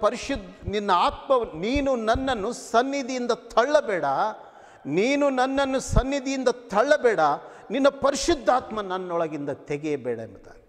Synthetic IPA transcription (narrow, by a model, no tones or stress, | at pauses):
pɐɾiʃud̪ʱninːɐaːt̪mɐniːnunɐnːɐnːusɐnːid̪ijind̪ɐt̪ʰɐɭːɐbɛːɽɐ | niːnunɐnːɐnːusɐnːid̪ijind̪ɐt̪ʰɐɭːɐbɛːɽɐ | ninːɐpɐɾiʃud̪ʱːaːt̪mɐnɐnːɔɭɐɡind̪ɐt̪eɡɛjɐbɛːɽɐemɐt̪a̰ːɡi